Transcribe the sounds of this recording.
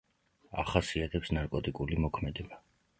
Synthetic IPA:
a̰χasiat̪ʰɛpsnaɾkʼɔt̪ʼikʼulimɔkʰmɛd̪ɛba

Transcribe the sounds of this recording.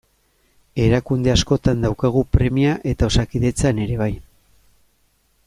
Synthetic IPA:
e̞ɾakund̪e̞asko̞t̪and̪awkaɣ̞upɾe̞miaʔe̞t̪ao̞sakiðe̞t͡sane̞ɾe̞β̞aj

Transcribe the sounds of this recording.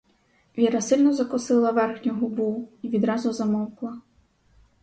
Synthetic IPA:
ʋʲiɾɐsɪlʲnɔzɐkʊsɪlˠɐʋɛrxnʲʊɦʊbuiʋʲid̪ɾɑzʊzɐmɔwklˠɐ

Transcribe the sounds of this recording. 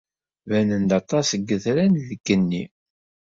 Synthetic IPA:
vænənd̪ɑt̪ˤɑsəɡːəθɾænðəɡ̥ːənːi

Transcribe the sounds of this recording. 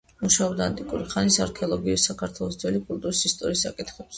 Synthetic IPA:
muʃaɔbd̪aːnt̪ʼikʼuɾiχanisaɾkʰɛɔlˠɔɡiusakʰaɾt̪ʰwɛlˠɔsd̪zɛlikʼult̪ʼuɾisist̪ʼɔɾiːsːakʼit̪ʰχɛbs

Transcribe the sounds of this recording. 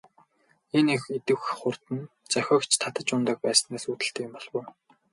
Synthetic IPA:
enexet̪ɘ̆wχʊr̥t̪ɘ̆n | t͡saxʲɔːkt͡ɕʰt̪ʰat̪ə̆t͡ɕʊnt̪ə̆ːk̚pæːs̆næːsuːt̪ɘ̆ɬt̪eːkɪ̆mpɔɮ̥wʊː

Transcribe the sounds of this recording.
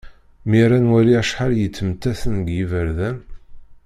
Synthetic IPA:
miɾænwæliæʃħaljət͡sːəmt̪ːæθənɡjivəɾðæn

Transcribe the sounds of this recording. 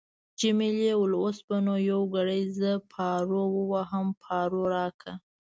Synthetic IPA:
d͡ʒɪmelewlosbanojawɡaɽəjzəpʰɑɾowəwaɦəmpʰɑɾoɾɑkʰa

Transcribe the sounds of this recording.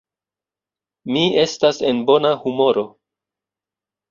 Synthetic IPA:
mie̞stase̞nbo̞nahumo̞ɾo̞

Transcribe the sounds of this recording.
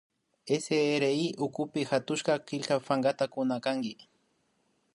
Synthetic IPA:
eseːɾeiʔʊkʊpɪxat̪ʊʃkɑkɪʎkafaŋɡat̪akʊnakaŋɡɪ

